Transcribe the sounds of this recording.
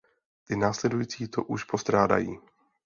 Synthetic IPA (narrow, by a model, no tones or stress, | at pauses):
t̪ɪnaːslɛdujiːt͡siːt̪oʔuʃpo̞st̪ɾaːda̰jiː